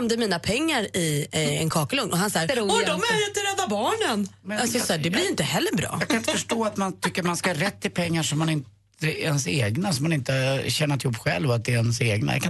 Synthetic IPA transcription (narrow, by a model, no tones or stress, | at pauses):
md̪əmiːnapʰɛŋːaɾɪɛ̰nkʰɑːklɵŋnʔɔɦansɑːɾɾuɔdɔmæɾɪnt̪əɾɛd̪ːabɑːɳənmɛasɔjasɑɖɛblɪɾɪnt̪əhɛlːəɾbɾɑ̰ːjɑːkʰanɪnt̪əfœʂʈoːat̪mant̪ʰʏkːəaɾmanskahaɾɛt̪ːɪlpʰɛŋːaʂɔmːanɪnt̪ | əɛnseːɡnasɔmːanɪnt̪əhaɕɛnːat̪ɪhuːpːɧɛ̰lːvɔat̪̚d̪ɛɛnseːɡna̰j̰kʰa